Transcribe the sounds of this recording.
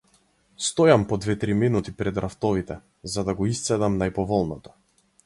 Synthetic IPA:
st̪ɔjampɔd̪vɛt̪ɾiminut̪ipɾɛd̪ɾʔaft̪ɔvit̪ɛ | zad̪aɡɔist̪sɛd̪amnajpɔvɔlˠnɔt̪ɔ̥

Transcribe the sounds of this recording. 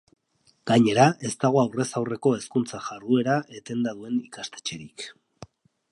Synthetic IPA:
ɡ̥aɲe̞ɾaʔe̞st̪aɣ̞o̞awre̞sawre̞ko̞e̞skunt͡saʝarue̞ɾaʔe̞t̪e̞nd̪að̞ue̞nikast̪e̞̥t͡ʃe̞ɾik

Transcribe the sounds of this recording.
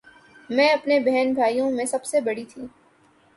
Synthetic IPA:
mɛ̃ːɐpnebɛɦɛnbʱaːijõmẽsɐbsebɐɽit̪ʰiː

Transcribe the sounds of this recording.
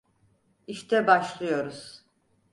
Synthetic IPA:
iʃt̪ʰɛbaʃlˠɯjo̞ɾuz̥

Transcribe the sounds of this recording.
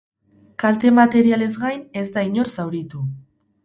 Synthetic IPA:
kalt̪e̞mat̪e̞ɾiale̞zɡajne̞zd̪aiɲo̞rsawɾit̪u

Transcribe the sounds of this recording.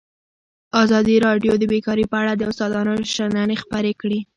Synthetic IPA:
ɑzɑd̪iɾɑɖjod̪əbekɑɾepəaɽad̪əʊst̪ɑd̪ɑnoʃananexpəɾekɽi

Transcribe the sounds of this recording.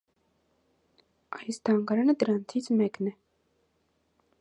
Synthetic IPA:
ajisd̪aːŋɡaɾanəd̪ɾant̪ʰit͡sʰmɛknɛ

